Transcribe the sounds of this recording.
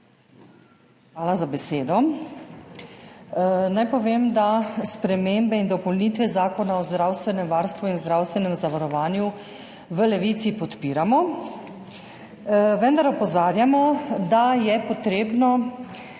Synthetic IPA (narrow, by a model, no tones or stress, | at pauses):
xʋaːlazabɛseːd̪ɔ | najpɔʋeːmd̪aspɾɛmeːmbɛind̪ɔpɔlniːt̪ʋɛzaːkɔnaɔzd̪ɾaːwst̪ʋɛnɛmʋaːɾst̪ʋuinzd̪ɾawst̪ʋɛnɛmzaʋaɾɔʋaːnju | ʋəlɛʋiːt̪sipɔt̪piːɾamɔ | ʋənd̪aɾɔpɔzaːɾjamɔd̪ajɛpɔt̪ɾeːbnɔ